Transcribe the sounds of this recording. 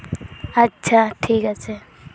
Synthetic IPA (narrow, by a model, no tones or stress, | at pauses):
ɐtːʃʰaʈʰiːkətːt͡ʃʰa